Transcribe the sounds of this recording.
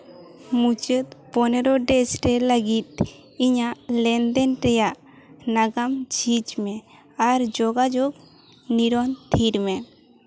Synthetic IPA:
mut͡ʃət̪pɔnɛɾɔɖɛsɾɛləɡit̪̚ | iɲaʔlɛnd̪ɛnɾɛjaʔ | naɡamt͡ʃʰit͡ʃmɛ | aɾd͡ʒɔɡad͡ʒɔɡ | niɾɔnt̪ʰiɾmɛ

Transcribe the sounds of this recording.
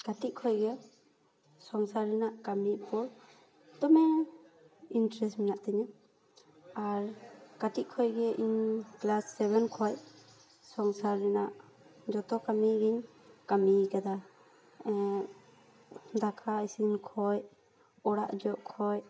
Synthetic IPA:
kaʈiʔ̚kʰɔjɡɛ | sɔŋsaɾːɛnaʔkamipɔɾ | t̪ɔmɛ | intɾɛstmɛnaʔt̪ɛɲa | aɾkatiʔ̚kʰɔjɡɛʔiɲklasːɛbɛnkʰɔj | sɔŋsaɾːɛnaʔ | d͡ʒɔt̪ɔkamiɡiɲ | kamikad̪a | d̪akʰaisinkʰɔj | ɔɽa̰ʔd͡ʒɔʔkʰɔj

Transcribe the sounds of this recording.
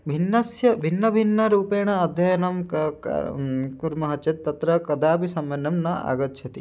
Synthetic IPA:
bʱinːɐsjɐbʱinːɐbʱinːɐɾuːpeːɳ̃ɐːd̪ʱjɐjɐnɐm̰ | kuɾmɐɦɐt͡ʃɐt̪ːɐt̪ɾɐkɐd̪aːbisɐmbɐnːɐmnɐa̰ːɡɐt̪ːt͡ʃʰɐt̪i

